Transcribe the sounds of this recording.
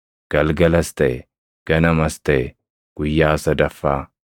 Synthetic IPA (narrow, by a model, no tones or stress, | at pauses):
ɡ̥ɐlɡɐlɐst̪ɛ | ɡ̥ɐnɐmɐst̪ɛ | ɡ̥ʊjːaːsɐd̪ɐfːaː